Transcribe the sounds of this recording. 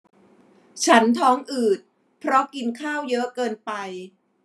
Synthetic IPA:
t͡ɕʰa˦˥nt̪ʰɔː˦˥ŋʔɯː˨˩t̪̚ | pʰɾɔ˦˥ki˧nkʰaː˥˩wjɤ˦˥ʔkɤː˧npa˧j

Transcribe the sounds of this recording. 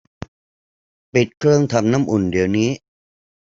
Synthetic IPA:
pi˨˩t̪̚kʰɾɯ˥˩əŋt̪ʰa˧mna˦˥˨mʔu˨˩ndi˧əwniː˦˥

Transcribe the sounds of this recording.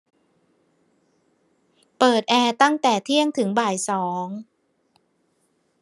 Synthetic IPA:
pɤː˨˩t̪̚ʔɛː˧t̪a˥˩ŋt̪ɛː˨˩t̪ʰi˥˩əŋt̪ʰɯ˩˦ŋbaː˨˩jsɔː˩˦ŋ

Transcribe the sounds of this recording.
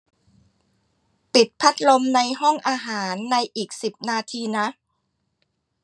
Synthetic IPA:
pi˨˩t̪̚pʰa˦˥t̪̚lo˧mna˧jɦɔ˥˩ŋʔaː˧ɦaː˩˦nːa˧jʔiː˨˩k̚si˨˩p̚naː˧t̪ʰiː˧na˦˥ʔ

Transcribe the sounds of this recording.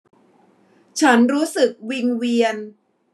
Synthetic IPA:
t͡ɕʰa˦˥nɾuː˦˥sɯ˨˩k̚wi˧ŋwi˧ən

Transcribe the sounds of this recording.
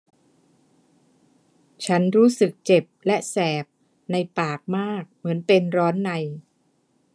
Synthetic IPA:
t͡ɕʰa˦˥nɾuː˦˥sɯ˨˩k̚t͡ɕe˨˩p̚lɛ˦˥ʔsɛː˨˩p̚ | na˧jpaː˨˩k̚maː˥˩k̚mɯ˩˦ənpe˧nɾɔː˦˥nːa˧j

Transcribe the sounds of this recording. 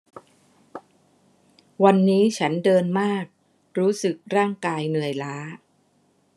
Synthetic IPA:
wa˧nːiː˦˥t͡ɕʰa˦˥ndɤː˧nmaː˥˩k̚ | ɾuː˦˥sɯ˨˩k̚ɾaː˥˩ŋkaː˧jnɯ˨˩əjlaː˦˥

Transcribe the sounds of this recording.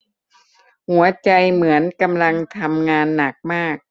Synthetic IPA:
hu˩˦ɐt͡ɕa˧jmɯ˩˦ənka˧mla˧ŋt̪ʰa˧mŋaː˧nːa˨˩k̚maː˥˩k̚

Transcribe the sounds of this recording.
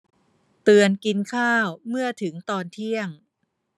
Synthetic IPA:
t̪ɯː˧ənki˧nkʰaː˥˩wmɯ˥˩ət̪ʰɯ˩˦ŋt̪ɔː˧nt̪ʰi˥˩əŋ

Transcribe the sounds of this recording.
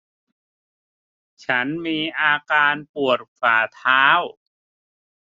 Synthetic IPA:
t͡ɕʰa˦˥nmiː˧ʔaː˧kaː˧npu˨˩ət̪̚faː˨˩t̪ʰaː˦˥w

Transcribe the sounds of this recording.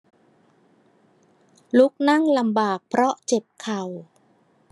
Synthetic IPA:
lu˦˥k̚na˥˩ŋla˧mbaː˨˩k̚pʰɾɔ˦˥ʔt͡ɕe˨˩p̚kʰa˨˩w

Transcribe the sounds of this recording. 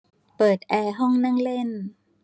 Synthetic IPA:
pɤː˨˩t̪̚ʔɛː˧ɦɔ˥˩ŋna˥˩˨ŋle˥˩n

